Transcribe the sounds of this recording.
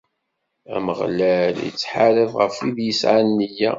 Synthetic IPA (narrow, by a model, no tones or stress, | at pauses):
æ̰məʁlæljə̰t͡sːħaɾəvʁəfiðjəsʕanːəjæ̰